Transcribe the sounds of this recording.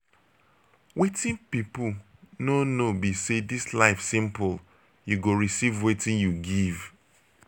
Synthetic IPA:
wetĩnpipʊlnonobisedislaɪfsĩmpʊl | juɡoɹisivwetĩnjuɡiv

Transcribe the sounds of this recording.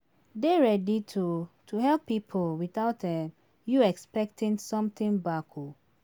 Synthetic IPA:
deɹɛditʰutʰuɦɛlpːipʰolwiθaʊtdɛ̃m | juɛkspɛk̚tʰɪ̃ŋsɔ̃mt̪ɪ̃ŋbakʰo

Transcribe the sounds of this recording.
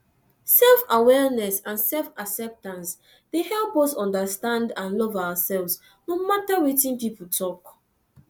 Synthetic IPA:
sɛlfawɛɹnɛsãnsɛlfaksɛp̚tãns | d̥ehɛlˠpɔsɔ̃ndəstãndãnlɔvawəsɛlvs | nomatawitĩnpiputʰɔk

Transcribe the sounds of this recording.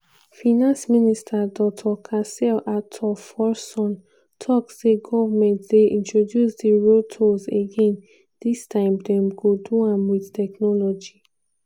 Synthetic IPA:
fanãnsministʰadɔk̚tʰɔkʰasɛlatʰɔfɔsɔ̃n | tʰɔkseɡɔvamɛ̃ntdeʔĩntɹodjusdiɹotʰozeɡẽn | distʰãɪ̃mdɛ̃mɡoduãmwiðtɛknɔlɔd͡ʒi

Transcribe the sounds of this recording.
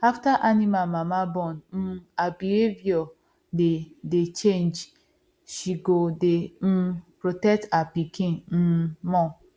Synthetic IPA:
aftaʔanimalmamabɔ̃nm̩abihevjɔ | dedet͡ʃend͡ʒ | ʃiɡodem̩pɾotɛk̚tapikĩnn̩mɔ̃

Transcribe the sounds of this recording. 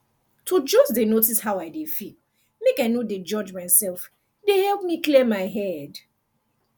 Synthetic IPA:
tʰud͡ʒɔsdenotishawaɪdefil | mekaɪnoded͡ʒɔd͡ʒmaɪnsɛlf | dehɛlp̚miklimaɪɦɛd

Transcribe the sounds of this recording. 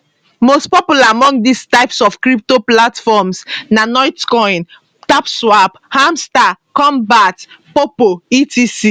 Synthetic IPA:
mospɔpulaamɔ̃ŋɡdistaɪpsɔfkɾip̚toplatfɔmsnanɔɪtkɔ̃ɪ̃n | tapswaphãmsta | kɔ̃mbatpopoitisi

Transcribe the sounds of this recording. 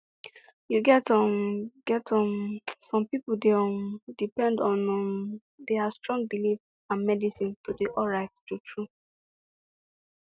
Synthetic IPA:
juɡɛtɔmɡ̥ɛtɔ̃msɔ̃mpipldɛɔmdipɛ̃ndɔ̃nɔ | deastɹɔ̃ŋɡ̚bilif | ãnmɛdisĩntudiʔɔɹattutʰɹu

